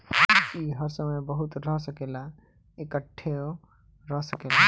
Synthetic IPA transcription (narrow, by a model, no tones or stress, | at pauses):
iɦəɾsəməjbəɦut̪ɾəɦsəkela | ekəʈʰːeo | ɾəɦsəkela